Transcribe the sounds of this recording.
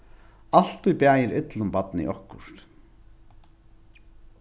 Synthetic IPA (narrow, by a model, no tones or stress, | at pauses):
al̥t̪ʊjpjaːjɪɾɪt̪lʊmpat̪nɪ̰ʔɔhkʊ̰ɾ̥t̪